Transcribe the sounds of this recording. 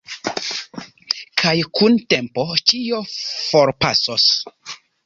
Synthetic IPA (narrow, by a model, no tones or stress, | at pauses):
kʰajkuntempot͡ʃio̞foɾpa̰sos